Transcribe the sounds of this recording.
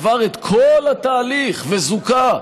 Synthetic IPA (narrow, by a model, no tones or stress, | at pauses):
vaʁet̪kʰolhat̪aːliχvezuka